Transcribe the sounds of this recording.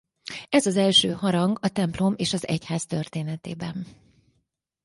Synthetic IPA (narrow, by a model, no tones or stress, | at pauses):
ɛzɒzɛlʃøːɦɒɾɒŋɡɒt̪ɛmplo̞meːʃɒzɛ̰chaːzt̪ørt̪eːnɛt̪eːbɛn